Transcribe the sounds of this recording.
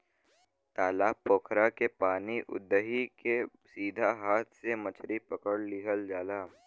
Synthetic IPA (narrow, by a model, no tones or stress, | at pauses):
t̪aːlaːpoːkʰɾakepaːniʔʊ̰d̪ːəɦike | siːd̪ʱaɦaːt̪ʰsemɐt͡ʃʰɾipɐkəɽlɪɦəld͡ʒaːlaː